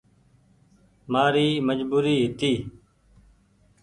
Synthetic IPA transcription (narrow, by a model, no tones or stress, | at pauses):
maːɾiːməd͡ʒbuːɾiːɦɪt̪iː